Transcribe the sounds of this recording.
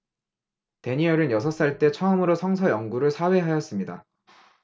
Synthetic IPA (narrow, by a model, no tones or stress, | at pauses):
te̞ɲiʌɾɯnjʌsʰʌs͈aɭt͈e̞t͡ɕʰʌɯmɯɾosʰʌŋsʰʌjʌŋɡuɾɯɭsʰawe̞ɦajʌs͈ɯmɲida̰